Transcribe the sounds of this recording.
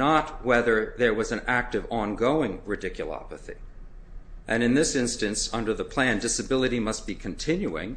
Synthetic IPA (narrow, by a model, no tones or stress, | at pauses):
nət̚wɛðə˞ðə˞wʌzɨ̃næk̚tɨvɑ̃nɡoʊɪ̃ŋɹɨdɪkʰjlˠɑ̰pəθḭ | ʔɨ̃nɨ̃nðɪsɪ̃nstɨ̃nsʌ̃ndə˞ðəpʰl̥æ̃ndɪsɨbɪlˠəɾimʌst̚b̥ikʰɨ̃n̩tʰɪ̃njʉɪ̰̃ŋ